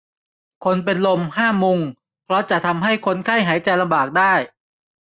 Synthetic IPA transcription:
kʰo˧npe˧nlo˧mhaː˥˩mu˧ŋ | pʰɾɔ˦˥t͡ɕa˨˩t̪ʰa˧mɦa˥˩jkʰo˧nkʰa˥˩jɦaː˩˦jt͡ɕa˧jla˧mbaː˨˩k̚daː˥˩j

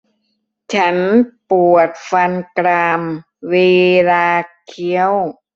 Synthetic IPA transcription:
t͡ɕʰa˦˥npu˨˩ət̪̚fa˧nkɾaː˧m | weː˧laː˧kʰi˦˥əw

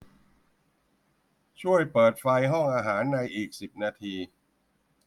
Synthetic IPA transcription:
t͡ɕʰu˥˩əjpɤː˨˩t̪̚fa˧jɦɔ˥˩ŋʔaː˧ɦaː˩˦nːa˧jʔiː˨˩k̚si˨˩p̚naː˧t̪ʰiː˧

